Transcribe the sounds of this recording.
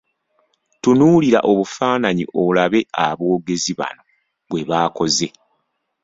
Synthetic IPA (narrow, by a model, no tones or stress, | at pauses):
tunuːliɾa̰ʔo̞βufaːnaɲḭʔo̞βulaβe̞a̰βo̞ːɡe̞ziβa̰no̞ | βwe̞βaːko̞ze̞